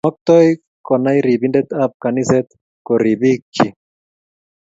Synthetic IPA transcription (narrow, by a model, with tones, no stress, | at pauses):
ɔ˦k̚t̪ɔ˦j | kɔ˨na˦jɾi˨bi˦ndɛ˦t̪a˦pka˨ni˦sɛ˦t̪ | ko˨ɾi˨bi˦kːi˦